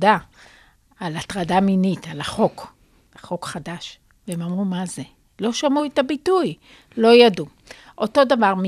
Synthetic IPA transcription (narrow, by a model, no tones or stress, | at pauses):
daː | latʁadaminitalaχo̞k | aχo̞kχadaʃ | veemamʁumaze | lo̞ʃamuetabituj | lo̞jadu | ʔo̞to̞davaʁm